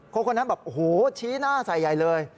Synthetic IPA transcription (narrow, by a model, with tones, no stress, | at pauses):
kʰo˧˦˥kʰo˧nːa˦˥nbɛː˨˩p̚ʔo˨˩hoː˨˩˦t͡ɕʰiː˦˥naː˥˩sa˨˩jːa˨˩jlɤː˧j